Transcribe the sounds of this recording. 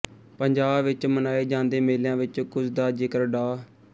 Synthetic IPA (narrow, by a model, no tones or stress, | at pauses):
pəɲd͡ʒaːbʋɪt͡ʃmənaːeːd͡ʒãːnd̪eːmeːljãːʋɪt͡ʃkʊsd̪aːd͡ʒɪkəɾɖaː